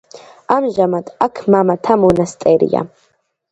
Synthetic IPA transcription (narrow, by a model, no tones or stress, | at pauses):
amʒamad̪ʼakʰmamat̪ʰamunast̪ʼɛɾḭja̰